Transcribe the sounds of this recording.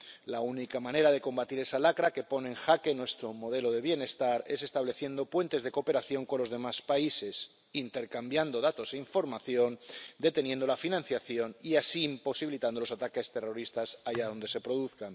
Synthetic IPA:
launikamãne̞ɾaðe̞ko̞mbat̪iɾe̞salakɾake̞po̞neːŋxake̞nwe̞st̪ɾomo̞ð̞e̞lo̞ðe̞β̞je̞ne̞st̪aɾe̞se̞st̪aβle̞θje̞nd̪o̞pwe̞nt̪e̞zðe̞ko̞pe̞ɾaθjo̞ŋko̞nlo̞zð̞e̞maspaise̞s | int̪e̞ɾkambjand̪o̞ðat̪o̞se̞iɱfo̞ɾmaθjo̞nd̪e̞t̪e̞njẽnd̪o̞lafinãn̟θjaθjo̞niasimpo̞siβilit̪and̪o̞lo̞sat̪ake̞st̪e̞ro̞ɾist̪asaʝaðo̞nd̪e̞se̞pɾo̞ðuθkan

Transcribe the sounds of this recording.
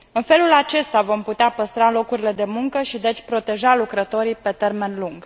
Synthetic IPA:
ɨnfe̞lulat͡ʃe̞st̪avo̞mput̪eapəst̪ɾalo̞kuɾile̞d̪e̞muŋkəʃid̪e̞t͡ʃʲpɾo̞t̪e̞ʒalukɾət̪o̞ɾipe̞t̪e̞rme̞nluŋɡ

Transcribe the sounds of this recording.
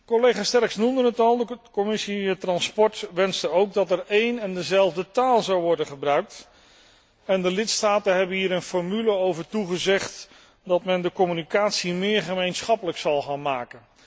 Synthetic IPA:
kɔlejχaːstɛrksnumdənətɑlˠdəkɔmɪsiɛtrɑnspɔɹtʋɛnstəowɡ̚dɑtɛɹejnɛndəzɛlˠvdətaːlˠzɑwʋɔɹdənχəbrœɥk̚t | ɛndəlɪtstaːtənɦɛbənɦiːɾənfɔɹmyləowvəɹtuχəzɛχt | dɑtmɛndəkɔmynikaːtsimɪːɹχəmejnsχɑpələksɑlˠχaːnmaːkən

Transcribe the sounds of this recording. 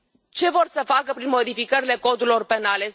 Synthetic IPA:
t͡ʃe̞vo̞rsəfakəpɾinmo̞d̪ifikəɾile̞ko̞d̪uɾilo̞rpe̞nale̞

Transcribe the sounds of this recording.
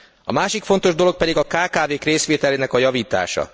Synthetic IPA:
ɒ̰maːʃikfo̞nt̪o̞ʒd̪olo̞k̚pɛd̪iɡɒkaːkaːveːkreːsʋeːt̪ɛleːnɛkɒjɒviːt̪a̰ːʃɒ̰

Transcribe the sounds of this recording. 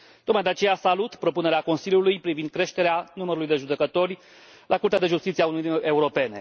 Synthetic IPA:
t̪ot̪majd̪eat͡ʃe̞jasalut̪pɾo̞pune̞ɾeako̞nsiljulujpɾivind̪̚kɾe̞ʃt̪e̞ɾeanuməɾulujd̪e̞ʒud̪e̞kət̪o̞rʲ | lʔakuɾt̪ead̪eʒust̪it̪sieaunuie̞uɾo̞pe̞ne̞̰

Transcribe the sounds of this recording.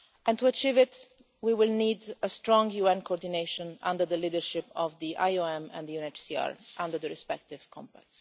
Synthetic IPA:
ɛ̃nt̪uat͡ʃivɪt̪ | wiwɪlniːd̪əst̪ɾɔ̃ŋɡjuɛ̃nkoɔɹd̪ineʃɔ̃nã̰nd̪əɾd̪əliːd̪əɹʃɪpɔvd̪iʔajoɛ̃mɛ̰̃nd̪əjunet͡ʃsia̰ɹʔãnd̪əɾd̪ðəɾɹispɛk̚t̪ɪv̥kʰɔ̰̃mpæ̰k̚ts

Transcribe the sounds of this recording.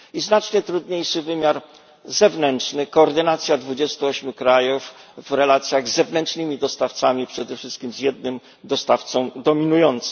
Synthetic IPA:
iznat͡ʂɲɛt̪ɾud̪ɲejʂɘvɘmʲjaɾ | zɛvnɛntt͡ʂnɘkɔːɾd̪ɘnat̪sʲjad̪vud͡ʑɛst̪uɔɕmʲukɾajufvɾɛlat̪sʲjaɣzːɛvnɛnt͡ʂnɘmʲid̪ɔst̪aft̪samʲipʂɛd̪ɛfʂɘst̪kʲimzjɛd̪̚nɘm | d̪ɔst̪aft̪sɔ̃w̃d̪ɔmʲinujɔnt̪s

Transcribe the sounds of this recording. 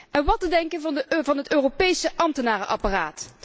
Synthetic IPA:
ʔɛnʋɑtədɛŋkənvɑnvɑnɦətøːropejsəʔɑmtənaːrəʔɑ̰paːraːt

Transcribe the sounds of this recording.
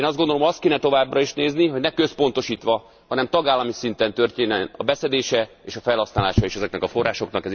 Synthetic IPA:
nɒzd̪ɡond̪olomɒst̪keːnɛt̪o̞vaːbrɒiʃneːzniɦo̞ɟnɛkø̞spo̞nt̪o̞ʃiːt̪ʋɒ | hɒnɛmt̪ɒɡaːlːɒmisint̪ɛnt̪ø̞rt̪eːnɛnɒ̰bɛsɛd̪eːʃɛeːʃɒfɛlhɒsnaːlaːʃɒeːʃɛzɛknɛkɒfo̞rːaːʃo̞knɒkɛz

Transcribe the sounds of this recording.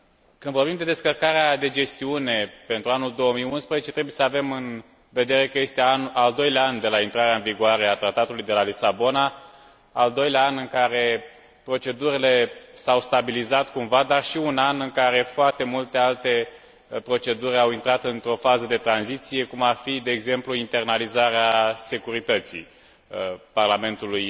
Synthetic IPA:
kɨnd̪vo̞rbimd̪e̞d̪e̞skərkaɾead̪e̞d͡ʒe̞st̪iune̞pe̞nt̪ɾuanuld̪o̞wəmijunspɾəzet͡ʃet̪ɾebujesave̞mɨn | ve̞d̪e̞ɾe̞kəje̞st̪eanald̪o̞jlʲaand̪e̞laint̪ɾaɾeaɨnviɡuaɾe̞at̪ɾat̪at̪ulujd̪e̞lalisabo̞naː | ld̪o̞jlʲaanɨŋkaɾe̞ | pɾo̞t͡ʃe̞d̪uɾile̞sawst̪abilizat̪kumvad̪arʃiunanɨŋkaɾe̞foart̪e̞mult̪e̞alt̪e̞ | pɾo̞t͡ʃe̞d̪uɾʲawint̪ɾat̪ɨnt̪ɾo̞fazəd̪e̞t̪ɾanzit̪sije̞kumarfid̪e̞ːɡze̞mpluint̪e̞rnalizaɾease̞kuɾit̪ət̪sḭ | parlame̞nt̪uluj

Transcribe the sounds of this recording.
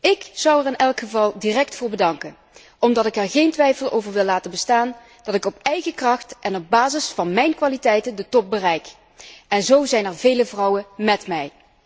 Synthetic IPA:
ɪkz̥ɑwɛrɪnɛlˠkχəvɑlˠdirɛk̚tfʊːɹbədɑŋkən | ɔmdɑtɪkɛɹɣejntʋɛjfəlˠo̰wvəɹʋɪlːaːtənbəstaːn | d̥ɑtɪkɔpɛjɣəkrɑχtʔɛnɔb̚baːzɪsfɑnmɛjnkʋaːlitɛjtəndətɔp̚bərɛjk | ʔɛnzowzɛjnɛɹvejləvrɑwəmɛtmɛj

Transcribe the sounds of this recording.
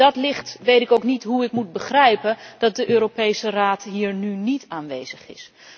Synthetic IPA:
dɑtlɪχtʋejtɪkowknitɦuɪkmut̚bəχrɛjpəndɑt̚dəʔøːɾopejsəraːtɦiːɹnynitaːnʋejzəχɪ̰s

